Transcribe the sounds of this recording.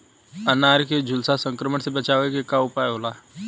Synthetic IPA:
ənaːɾked͡ʒʱʊlsasə̃ŋkɾəməɳsebɐt͡ʃaːʋekekaʊpaːjɦolaː

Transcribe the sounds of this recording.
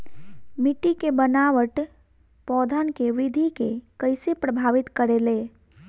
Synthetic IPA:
miʈikebənaʋəʈ | pɔd̪ʱənkeʋɪd̪ʱikekəɪsepɾəbʱaʋɪt̪kəɾeːleː

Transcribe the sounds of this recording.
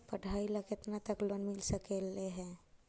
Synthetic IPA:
pəɽʱailakɪt̪nat̪əklonmɪlsəkeleɦɛ̃

